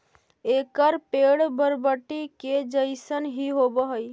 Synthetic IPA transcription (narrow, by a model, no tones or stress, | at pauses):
ekəɾpeɽbəɾbəʈːiked͡ʒəɪsənɦiɦobəɦəj